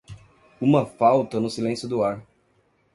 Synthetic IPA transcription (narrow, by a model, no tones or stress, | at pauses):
ũmɐfawt̪ɐnʊsilẽsjʊd̪ʊaɾ